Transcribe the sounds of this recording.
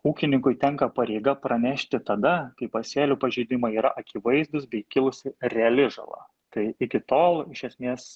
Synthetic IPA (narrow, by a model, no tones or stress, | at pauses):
uːkʲɪnʲɪŋkʊɪt̪ʲɛŋkɐpɐɾʲɛɪɡɐpɾɐnʲɛʃʲt̪ʲɪt̪ɐd̪ɐkɐɪpɐsʲeːlʲupɐʒʲɛɪd̪ʲɪmɐiːɾɐʔɐkʲiʋɐɪzd̪ʊsbʲɛɪkʲɪlˠʊsʲɪɾʲɛɐlʲɪʒɐ̰lˠɐ̰ | t̪ɐɪɪkʲɪt̪oːlˠɪʃʲɛsʲmʲeːs